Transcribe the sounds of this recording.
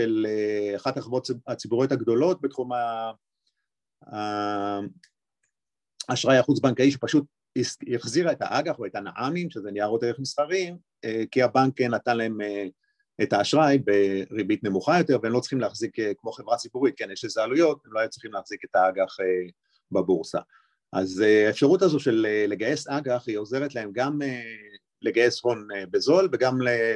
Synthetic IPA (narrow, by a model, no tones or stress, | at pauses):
ʃeleaχataχvotat͡sibuʁjot̪haɡd̪o̞lo̞t̚bet̪χuma | a | aʃʁajaχut͡sbaŋkaiʃepaʃut̚ | isjaχziʁaeta̰ʔaɡaχoetanaʔamimʃezeniaʁjot̪eʁeχmisχaʁim | ekiabaŋkːenatanlae̞me | etaːʃʁajbeʁibitne̞muχajo̞t̪e̞ʁveemlo̞t͡sʁ̥iχimleaχzikekmo̞χevʁat͡sibuʁit̚kenjeʃlezaːlujo̞temloajut͡sʁi̥χimleːχz̥ike̞taaɡaχe | babuʁsa̰ | ʔazeaefʃaʁutazo̞tʃe̞lele̞ɡaje̞saɡaχio̞ze̞ʁetlae̞mɡame | le̞ɡaje̞sho̞nebezo̞lveɡamle